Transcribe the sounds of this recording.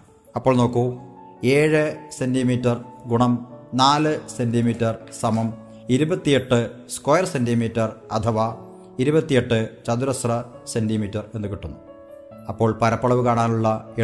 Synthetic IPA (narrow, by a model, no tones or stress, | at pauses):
ɐpːo̞ːɭno̞ːkːueːɻɨsendimiːtːɐrɡuɳɐmnaːlɨsendimiːtːɐrsɐmɐm | iɾubɐt̪ːijeʈːɨskoːjɐrsendimiːtːɐrɐt̪ʰɐʋaː | iɾubɐt̪ːijeʈːɨt͡ɕɐd̪uɾɐsrɐsendimiːtːɐre̞nːukiʈːunːu | ɐpːo̞ːɭpɐɾɐpːɐɭɐʋɨkaːɳaːnuɭːɐe